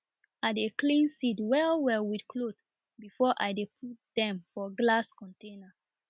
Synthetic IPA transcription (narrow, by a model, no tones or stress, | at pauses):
adeklĩnsidwɛlwɛlwidkʰlot | bifɔʔa̰ɪdep̚ʰut̚d̥ɛ̃mfɔɡlaskɔ̃ntẽna